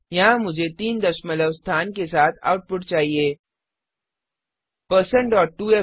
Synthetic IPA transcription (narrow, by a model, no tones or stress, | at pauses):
jɐɦãmʊd͡ʒʱet̪iːnd̪ɐʃmələʋst̪ʰaːnkesaːt̪ʰa̰ːʊʈ̚pʊʈ̚t͡ʃaːɦieː | pəɾsə̃ɳɖɔːʈːuːe